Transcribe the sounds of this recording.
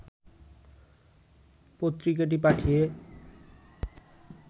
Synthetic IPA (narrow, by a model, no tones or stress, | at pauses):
pot̪ːɾikaʈ̬ip̬aʈʰije